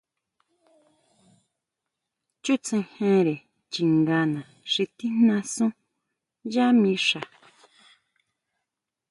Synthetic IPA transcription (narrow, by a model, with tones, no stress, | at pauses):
t͡ʃu˦t͡sẽ˧hẽ˧ɾe˨ | t͡ʃi˨ŋɡã˧nã˨ | ʂi˧t̪i˦n̥nã˧sũ˦ | ʒa˦mĩ˧˦ʂa˨